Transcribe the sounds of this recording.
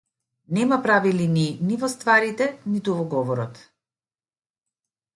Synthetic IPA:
nɛmapɾavilininivɔst̪vaɾit̪ɛnit̪uvɔɡɔvɔɾɔt̪

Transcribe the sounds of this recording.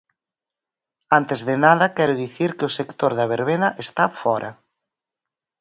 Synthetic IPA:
ant̪ɪzðɪnað̞ɐkɛɾʊðiθiɾkɪʊsekt̪oɾðɐβ̞eɾβ̞enɐʔest̪afɔɾʔɐ̰

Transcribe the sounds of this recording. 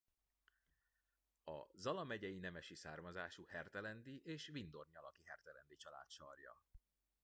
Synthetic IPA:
ɒ̰zɒlɒmɛɟɛjinɛmɛʃisaːrmɒzaːʃuhɛrt̪ɛlɛnd̪iʔeːʃvind̪orɲɒlɒkiɦɛrt̪ɛlɛnd̪it͡ʃɒla̰ːt̪ʃɒ̰rjɒ̰

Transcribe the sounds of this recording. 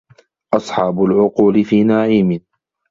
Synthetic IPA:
ʔɑsˤħɑːbʊlʕʊquːlɪfiːnaʕiːmɪ

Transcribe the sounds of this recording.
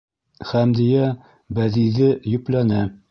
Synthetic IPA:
χæmd̪ijæ | bæðiðɘjɵ̆plænæ

